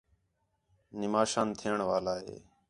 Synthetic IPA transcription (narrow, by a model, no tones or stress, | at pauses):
nɪmaːʃãːnt̪ʰɪjəɳʋaːlaːɦḛː